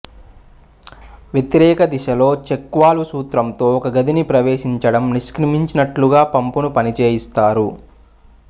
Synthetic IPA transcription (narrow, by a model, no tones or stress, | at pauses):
ʋjet̪iɾɛːkɐd̪iʃɐlo̞ːt͡ʃekːʋaːlusuːt̪ɾɐmt̪o̞ːɔkɐɡɐd̪inipɾɐʋeːʃiɲt͡ʃɐɽɐmniʃkɾɐmiɲt͡ʃinɐʈluɡaːpɐmpunupɐnit͡ʃeːjist̪aːɾu